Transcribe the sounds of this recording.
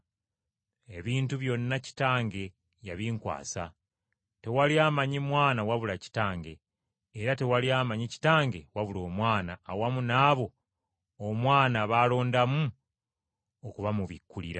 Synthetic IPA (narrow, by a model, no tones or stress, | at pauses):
e̞βiːntuβjo̞nːaci̥taːŋɡe̞ | jaβiŋkwa̰ːsa̰ | te̞waliaːmaɲimwaːnawaβulaci̥taːŋɡe̞ː | ɾate̞waliaːmaɲici̥taːŋɡe̞waβulo̞ːmwaːnaːwamunaːβo̞ | omwaːnaβaːlo̞ːndamu | okuβamuβikːulḭɾa